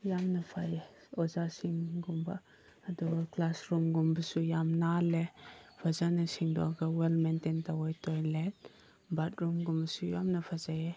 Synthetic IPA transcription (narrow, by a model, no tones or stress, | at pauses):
jamnɐpʰaje | ɔzasiŋɡumba | ɐduɡaklasɾumɡumbɐsujamnalepʰazanasiŋdɔ̰ɡawelmententawɔjtɔjlen | bat̚ɾumɡumbɐsujamnɐpʰazaje